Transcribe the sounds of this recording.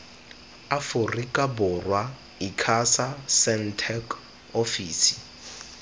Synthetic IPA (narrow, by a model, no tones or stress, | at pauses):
afʊrikʼabʊrwa | ikʰasasɛn̩tʰɛk | ofiːsi̥